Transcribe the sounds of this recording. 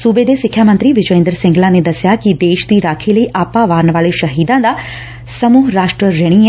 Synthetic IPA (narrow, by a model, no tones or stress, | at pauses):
suːbeːd̪esɪkʰːjaːmənt̪ɾiʋɪd͡ʒəẽnd̪ɾəsɪ̃ŋɡlaned̪ɐsjakid̪eːʃd̪iːɾaːkʰilɐiʔaːpaʋaːɾɳʋaːɭeʃɐɦiːd̪ãːd̪a | sɐmuːɦɾaːʃʈɾəɾeɽ̃ie